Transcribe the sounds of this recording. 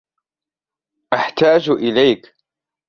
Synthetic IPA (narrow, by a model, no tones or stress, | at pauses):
ʔaħt̪aːd͡ʒʔɪlajk